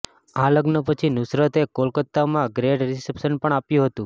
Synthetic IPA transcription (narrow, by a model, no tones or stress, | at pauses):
aləɡnəpət͡ʃʰinʊsɾət̪ekolkət̪ːamãɡɾeɖɾisepsənpəɳ̃apjũɦət̪ũ